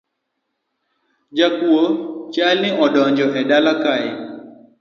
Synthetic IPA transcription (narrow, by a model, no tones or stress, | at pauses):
d͡ʒakuot͡ʃalnɪʔɔɗɔɲd͡ʒɔɦɛɗalakaɪ